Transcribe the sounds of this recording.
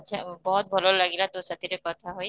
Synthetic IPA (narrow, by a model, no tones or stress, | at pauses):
tt͡ʃʰabɔɦut̪̚bʱɔlolaɡilat̪osat̪iɾekɔt̪ʰaɦoj